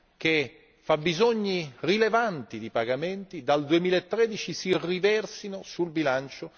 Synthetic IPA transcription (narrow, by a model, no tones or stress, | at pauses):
k̟e | fabːizoɲːirilevant̪id̪ipaɡament̪id̪ald̪uemiːlaet̪ːɾɛd̪it͡ʃisirivɛrsinosulbilant͡ʃo